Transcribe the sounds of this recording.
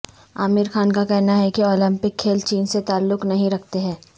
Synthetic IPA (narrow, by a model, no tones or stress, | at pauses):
aːmɪɾxaːnkakɛɦnaɦɛkiɔːlɪ̃mpɪkʰːeːlt͡ʃiːnset̪aːlːʊknɐɦĩɾɐk̚ʰt̪eɦɛ̃ː